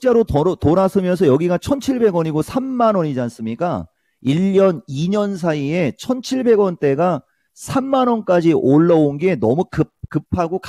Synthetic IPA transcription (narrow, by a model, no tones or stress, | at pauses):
t͡ɕ͈e̞ɾotoɾasʰɯmjʌns̬ʰʌjʌɡiɡat͡ɕʰʌnt͡ɕʰiɭbe̞ɡwʌɲiɡosʰamːanwʌɲid͡ʑans͈ɯmɲik͈a | iʎːʌniɲʌns̬ʰaie̞t͡ɕʰʌnt͡ɕʰiɭbe̞ɡwʌnt͈e̞ɡa | sʰamːanwʌnk͈ad͡ʑiʔoɭːʌonɡe̞nʌmukɯkɯpʰaɡok